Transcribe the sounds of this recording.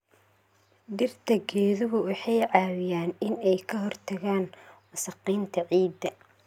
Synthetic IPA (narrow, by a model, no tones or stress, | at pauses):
ɖɪrt̪ʰɐɡɛːðʊɣʊwɑħɑjʕɑːwɪjaːnɪnɛjkʰɐɦɔrt̪ʰɐɣaːnmʊsɑqiːnt̪ʰɐʕiːd̪ːɐ